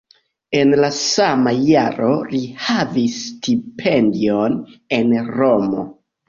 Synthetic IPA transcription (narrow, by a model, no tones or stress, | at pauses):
e̞nlasamajaɾo̞lihavisːtipʰendio̞ne̞nɾo̞mo̞̰